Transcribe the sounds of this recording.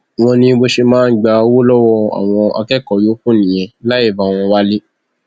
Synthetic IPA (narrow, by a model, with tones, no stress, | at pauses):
w̃ɔ̃˧nĩ˧bo˧ʃe˧mãː˦n̩˦ɡ͡ba˧o˧wo˦lɔ˦wɔ˦˧a̰˨w̃ɔ̃˧a̰˧kɛ˦˨kɔ˨jo˨˦kũ˦˨nĩ˨j̃ɛ̃˨la˦e˦˨ba˨w̃ɔ̃˧wa˦li˦